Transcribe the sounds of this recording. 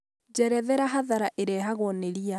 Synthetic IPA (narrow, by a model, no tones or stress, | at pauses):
d͡ʒɛɾɛðɛɾaɦaðaɾaʔeɾɛɦaɣɔneɾia